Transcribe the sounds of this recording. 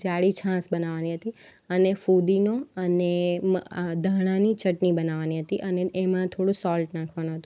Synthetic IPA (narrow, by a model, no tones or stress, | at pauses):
d͡ʒaɽit͡ʃʰãsbənaʋaniɦət̪i | ənefud̪inoəne | d̪ʱaɽ̃ãnit͡ʃəʈnibənaʋaniɦət̪iʔəneʔemãt̪ʰoɽũsɔlʈnakʰʋanũɦət̪ũ